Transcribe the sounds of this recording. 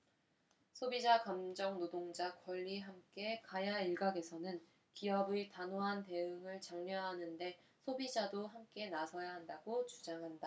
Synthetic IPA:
sʰobid͡ʑakamd͡ʑʌŋnodoŋd͡ʑakwʌʎːiɦamk͈e̞kajaiɭɡaɡe̞sʰʌnɯn | kiʌbitanoɦante̞ɯŋɯɭt͡ɕaŋɲʌɦanɯnde̞ | sʰobid͡ʑadoɦamk͈e̞nasʰʌjaɦandaɡot͡ɕud͡ʑaŋɦanda

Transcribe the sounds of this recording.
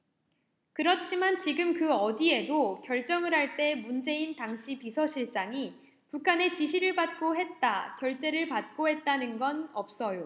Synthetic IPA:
kɯɾʌt͡ɕʰimant͡ɕiɡɯmkɯʌdie̞dokjʌɭt͡ɕ͈ʌŋɯɾɦaɭt͈e̞mund͡ʑe̞intaŋɕʰipisʰʌɕʰiɭt͡ɕ͈aŋi | pukʰane̞t͡ɕiɕʰiɾɯɭpat̚k͈oɦe̞t̚t͈akjʌɭt͡ɕ͈e̞ɾɯɭpat̚k͈oɦe̞t̚t͈anɯnɡʌnʌp̚s͈ʌjo

